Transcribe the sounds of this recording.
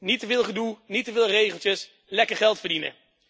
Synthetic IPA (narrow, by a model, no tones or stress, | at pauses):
nitəvɪːlˠχədulˠnitəvɪːlˠrejχəlˠtəs | lɛkəɹχɛlˠtfəɹdinə̰